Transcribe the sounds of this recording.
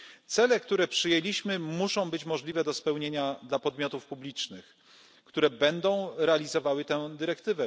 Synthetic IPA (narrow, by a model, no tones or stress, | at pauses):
t̪sɛlɛkt̪uɾɛpʂɘjelʲiɕmɘmuʂɔ̃w̃bɘt͡ɕmɔʐlʲivɛd̪ɔspɛwɲeɲad̪lapɔd̪mʲjɔt̪ufpublʲit͡ʂnɘx | kt̪uɾɛbɛnd̪ɔ̃w̃ɾɛalʲizɔvawɘt̪ɛd̪ɘɾɛkt̪ɘvɛ